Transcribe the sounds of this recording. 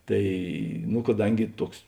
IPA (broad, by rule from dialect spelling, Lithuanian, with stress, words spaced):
ˈtɐɪ nʊ kɐˈdɐŋʲɡʲɪ ˈtuɔks